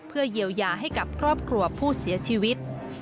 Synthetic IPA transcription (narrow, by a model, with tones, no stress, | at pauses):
pʰɯ˥˩ɐji˧˩əwjaː˧˩ɦa˥˩jka˨˩p̚kʰɾɔː˥˩p̚kʰɾu˧ɐpʰuː˥˩si˩˦ɐt͡ɕʰiː˧wi˦˥t̪̚